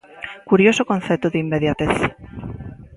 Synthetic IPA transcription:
kuɾjosokon̟θet̪oðeimːeðjat̪eθ

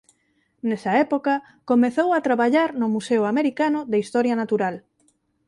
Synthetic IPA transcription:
nɛsɐɛpokɐ | komeθowat̪ɾaβaʎaɾnʊmuseʊameɾikanʊðeist̪ɔɾjanat̪uɾal

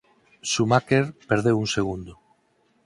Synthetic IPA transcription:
sumakeɾpeɾðewuŋseɣund̪o

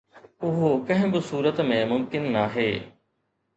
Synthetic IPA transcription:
ʊɦokɐ̃ɦɪ̃bɪsuːɾət̪mẽmʊmkɪnːaːɦeː

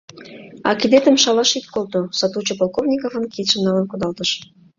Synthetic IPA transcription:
ɑ̰kid̪et̪ə̆mʃɑlɑʃit̪kolt̪osɑt̪ut͡ɕopolˠkovnʲikovə̆nkit̪ʃə̆nɑlənkud̪ɑlt̪əʃ

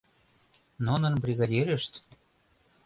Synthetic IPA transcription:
nonə̆nbɾʲiɣɑd̪ʲeɾeʃt̪

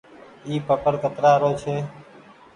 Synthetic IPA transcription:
iːpəkəɾkət̪ɾaːɾoːt͡ʃʰeː

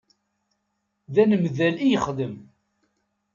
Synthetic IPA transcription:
ðænəmðælijəχd̪əm

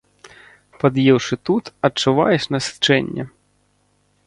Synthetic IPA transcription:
pɐd̪jɛwʂɨt̪ut̪ɐt͡ʂuʋa̰jɛʂnɐst͡ʂɛnʲːɐ̰

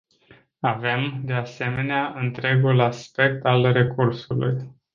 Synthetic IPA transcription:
ave̞md̪e̞ase̞me̞neaʔɨnt̪ɾe̞ɡulaspe̞k̚t̪alre̞kʰursulṵj

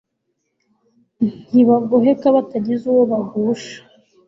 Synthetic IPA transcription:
iβaɡoɦekaβataɟizuwoβahuːʃḁ

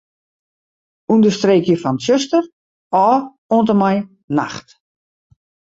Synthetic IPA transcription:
undəstreːkjəfɔntsøstər | ɔː | ontəmaj | na̰xt

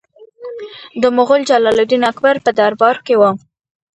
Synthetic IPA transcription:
d̪əmʊɣʊld͡ʒalɑlod̪inakbaɾpəd̪aɾbɑɾkewə

